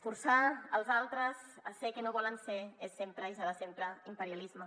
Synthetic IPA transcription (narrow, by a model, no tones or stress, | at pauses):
fuɾsaəlˠzalˠt̪ɾəzəsɛkenoβɔlənseesːempɾəisaðəsempɾəimpəɾjalizmə